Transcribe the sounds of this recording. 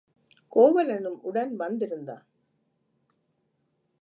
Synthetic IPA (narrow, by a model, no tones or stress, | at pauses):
koːʋɐlɐnɯmʊɽɐnʋɐnd̪ɪɾɯnd̪a̰ː